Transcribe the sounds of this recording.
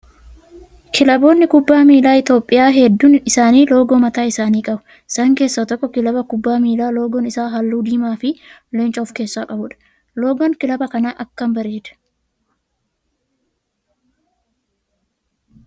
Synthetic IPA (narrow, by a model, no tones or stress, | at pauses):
kʰɪlɐbo̞ːnːɪkʊbːaːmiːlaːɪt̪o̞ːpʼːɪjaːɦɛd̪ːunɪsaːniːlo̞ːɡoːmɐt̪aːɪsaːniːkʼɐbʊ | sɐŋke̞ːsːɐt̪ɔkːɔkɪlɐbɐkʊbːaːmiːlaːlo̞ːɡɔnɪsaːɦɐlːuːd̪iːmaːfɪ | lɛnt͡ʃʼɐɔfke̞ːsːaːkʼɐbʊᶑɐ̥ | lo̞ːɡɔŋkɪlɐbɐkɐnaːʔɐkːɐmbɐɾeːd̪ɐ̥